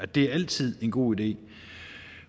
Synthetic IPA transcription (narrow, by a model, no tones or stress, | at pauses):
æd̥e̝æɐæl̰t͡sʰið̞̰ˠe̝nɡ̥o̝̰ːid̥e̝̰ː